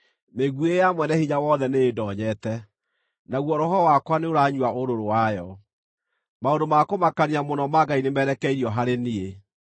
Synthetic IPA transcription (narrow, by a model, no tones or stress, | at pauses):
meɣuejamwɛnɛhiɲawɔðɛneːdɔɲɛtɛ | naɣwɔɾɔhɔwakwaneoɾaɲuaʔoɾoɾowajɔ | maondomakomakaniamonɔmaɡainemɛɾɛkɛiɾiɔɦaɾenie